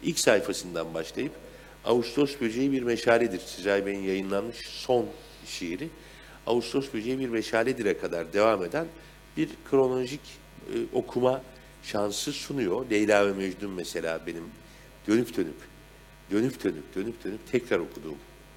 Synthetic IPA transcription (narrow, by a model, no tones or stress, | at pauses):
ilʲcʲsajfasɯnd̪anbaʃlˠajɯp | a̰ust̪ʰo̞sbød͡ʒejibiɾmeʃaːlʲɛd̪iɾ̥sid͡ʒajbenijajɯnlˠanmɯʃso̞n | ʃeiɾi | a̰ust̪ʰo̞sbød͡ʒejibiɾmeʃaːlʲɛd̪iɾɛkʰad̪aɾd̪e̞vame̞d̪æn | biɾkʰɾo̞nolʲoʒicː | ʔo̞kʰuma | ʃansɯsunujo̞lʲejlʲaːvɛmed͡ʒd̪umːese̞lʲa̰ːbe̞nim | d̪̥ø̞nypd̪ønyp | d̪̥ønypd̪ʰø̞nyp̚d̪̥ø̞nyp̚d̪ʰø̞nypt̪ʰɛcɾaɾo̞kʰud̪uːm